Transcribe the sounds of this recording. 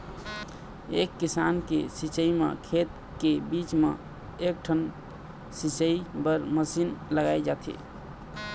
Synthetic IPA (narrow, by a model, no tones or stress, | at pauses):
ekːisankḛsit͡ʃəimḛkʰet̪ | kebit͡ʃmḛ | ek̚ʈʰən | sit͡ʃəibəɾməsinləɡajd͡ʒat̪ʰḭ